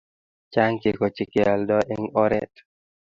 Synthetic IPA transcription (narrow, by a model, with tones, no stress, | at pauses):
t͡ʃa˦ŋke˨ko˨t͡ʃi˨ke˨a˨ldɔ˦ʔe˦ŋɔ˦ɾɛ̰˦t